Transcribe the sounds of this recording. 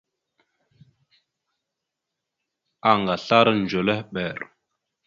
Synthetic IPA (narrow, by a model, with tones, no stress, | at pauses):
a˨ŋɡa˨ɬa˦ɾn˨d͡ʒo˨le˦hɓɛ˨ɾ